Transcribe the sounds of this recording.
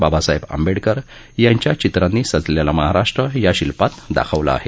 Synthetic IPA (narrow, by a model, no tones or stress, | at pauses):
babasaɦebə̰mbeɽkəɾ | jaɲt͡ɕjat͡ɕit̪ɾanːiːsəd͡zljalaməɦaɾaʂʈɾəjaɕilpat̪d̪a̰kʰəʋla̰a̰ɦe